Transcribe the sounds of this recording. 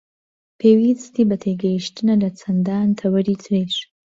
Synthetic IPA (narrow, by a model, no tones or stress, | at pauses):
pʰewit͡st̪ibat̪ʰeɡaiʃtənalat͡sand̪ɑnt̪ʰawəɾit͡sɾeʂ